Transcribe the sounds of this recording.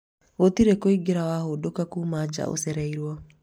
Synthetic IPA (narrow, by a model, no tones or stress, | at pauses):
otiɾekoiɡeɾawahodokakuːmad͡ʒa̰o̰sɛɾɛiɾwɔ